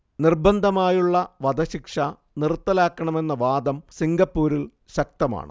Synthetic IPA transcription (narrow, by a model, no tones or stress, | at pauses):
nirbɐnd̪ʱɐmaːjuɭːɐʋɐd̪ɐɕikʂɐ | nirt̪ːɐlaːkːɐɳɐme̞nːɐʋaːd̪ɐmsiŋɡɐpːuːɾil | ɕɐk̚t̪ɐma̰ːɳɨ̰